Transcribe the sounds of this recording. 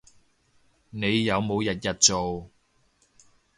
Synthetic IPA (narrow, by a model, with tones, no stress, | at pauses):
ne˨˧jːɐ˨˧wmo˨˧wjɐ˨t̚jɐ˨t̚t͡so˨w